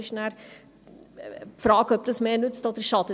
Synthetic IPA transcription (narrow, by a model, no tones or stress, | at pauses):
ʃnær | frɑːkəp̚təsmenutstɔt̪iʃɑtə